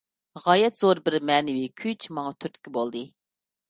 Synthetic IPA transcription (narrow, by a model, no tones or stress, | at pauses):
ʁɑjɛt̪z̥oɾbɪɾmɛːnɪwikʲʰyt͡ʃʰmɑŋɑt̪ʰyɾt̪ɪ̥kʲʰːibolˠd̪ɨ